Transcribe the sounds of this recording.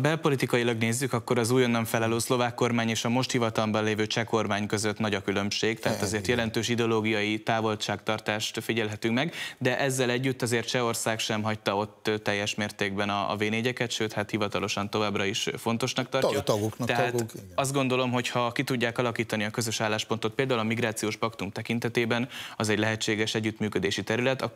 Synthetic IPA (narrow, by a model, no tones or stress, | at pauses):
bɛlpo̞lit̪ikɒjilɒɡneːzːykɒkːo̞ɾɒzuːjonːɒɱfɛlɒløːslo̞vaːkːo̞rmaːɲeːʃɒmo̞ʃt̪hivɒt̪ɒlmbɒnleːvøːt͡ʃɛko̞rmaːɲkø̞zøt̪nɒɟɒkylø̞mʃeːɡt̪ɛɦaːt̪ɒzeːrt̪jɛlɛnt̪øːʃid̪ɛoloːɡijɒjit̪aːvo̞lt͡ʃaːkt̪ɒrt̪aːʃt̪fiɟɛlɦɛt̪yŋkmɛɡd̪ɛʔɛzːɛlɛɟːyt̪ːɒzeːrt̪t͡ʃɛo̞rsaːkʃɛmɦɒc̚t̪ɒo̞t̪ːt̪ːɛjːɛʃmeːrt̪eːɡbɛnɒ̰ːveːneːɟɛkɛt̪ʃøːt̪hat̪hivɒt̪ɒlo̞ʃɒnt̪o̞vaːbrɒiʃfo̞nt̪o̞ʃnɒk̚t̪ɒrjɒt̪ɡokt̪ɛɦaːt̪ɒzd̪̚ɡo̞nd̪o̞lo̞mɦo̞chɒkit̪uɟːaːkɒlɒkiːt̪ɒniɒkø̞zøʃaːlːaːʃpo̞nt̪opeːld̪aːulɒmiɡɾaːt̪sijoːʃpɒkt̪umt̪ɛkint̪ɛt̪eːbɛnɒzɛɟlɛɦɛt͡ʃːeːɡɛʃɛɟːyt̪myːkød̪eːʃit̪ɛɾylɛt̪ɒ